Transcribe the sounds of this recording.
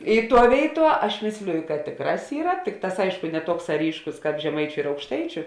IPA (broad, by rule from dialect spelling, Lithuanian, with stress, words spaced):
ɪ ˈtuɔ ˈʋʲeːɪˌtuɔ ˈɐʃ ˈmʲeːsʲlʲɪjʊ kɐt ˈtʲeːkˌrɑːs ˈiːrɐ ˈtʲɪkˌtɑːs ˈɐɪʃkʊ nʲɛ ˈtuɔksɑː ˈrʲiːʃkʊs ˈkɑːp ʒʲɛˈmɐɪt͡ʃʲʊ ɪr ɐʊkʃˈtɐɪt͡ʃʲʊ